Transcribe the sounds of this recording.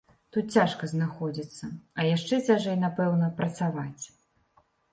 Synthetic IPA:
t̪ut̪̚t͡sʲaʂkɐznaxɔd͡zʲit̪sːɐɐjaʂt͡ʂɛt͡sʲaʐɛjnapɛwnɐpɾɐt̪savat͡sʲ

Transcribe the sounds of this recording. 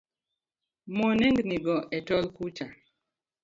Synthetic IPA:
mɔnɛŋɡniɡɔʔɛtɔlkut͡ʃa

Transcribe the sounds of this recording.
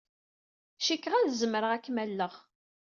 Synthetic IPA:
ʃikːʁæðzəməɾəʁækːmælːəʁ

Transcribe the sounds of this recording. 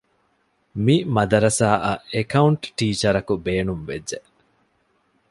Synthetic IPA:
mimɐd̪ɐɾɐsaːʔɐʔekɐuɳʈʈiːt͡ʃɐɾɐkubeːnumʋed͡ʒːe

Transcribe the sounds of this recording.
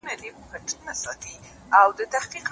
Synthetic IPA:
nalipkaʈʰənasɑt̪i | awd̪ət̪ahqiq

